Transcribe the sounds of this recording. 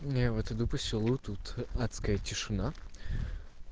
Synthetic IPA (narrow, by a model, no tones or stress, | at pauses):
avɛt̪ɨd̪upəsʲɪlˠut̪ut̪at̪skəjətʲɪʂɨna